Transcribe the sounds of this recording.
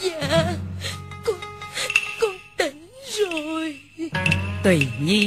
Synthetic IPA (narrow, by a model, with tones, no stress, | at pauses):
zaː˧˩ | kʊ˧˦ | kʊ˧˦t̪i˨˦ŋzo˨˩j | t̪wi˨˩ɲi˧